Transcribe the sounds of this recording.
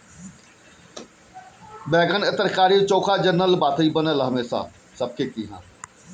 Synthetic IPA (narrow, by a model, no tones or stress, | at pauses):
bɛːɡənɪt̪əɾkaːɾiːt͡ʃoːkʰaːd͡ʒəɾnəlbaːt̪ʰəiːbənəlɦəmeːsa̰ː | səb̚kekiːɦã̰ː